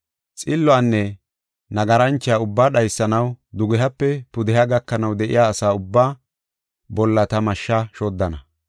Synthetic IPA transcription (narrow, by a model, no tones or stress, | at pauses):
t͡sʼɪlːɔaːnːɛ | nɐɡɐɾɐnt͡ʃːɪjaʊbːaːɗɐjsːɐnɐwd̪ʊɡɛɦɐpːɛpʊd̪ɛɦaɡɐkːɐnɐwd̪ɛʔɪ̰jaːsaːʊbːaː | bɔlːɐt̪ɐmɐʃːɐʃod̪ːɐnɐ